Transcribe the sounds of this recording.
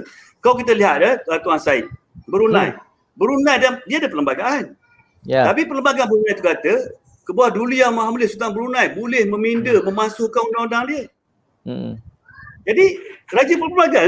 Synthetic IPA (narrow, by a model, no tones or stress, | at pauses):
kawk̬it̪̬əliɦat̪̚dət̪at̪uansaḭ | bəɾunã̰j | bəɾunãjdandiaːdapələmbaɡaan | t̪apipələmbaɡanbəɾunajt̪ukat̪ə | kəbawahduliamaɦamlɪsut̪aŋbəɾunãjbolɪhməmindəməmasʊhkanundaŋundaŋdiə | d͡ʒadiɾad͡ʒəpələmbaɡa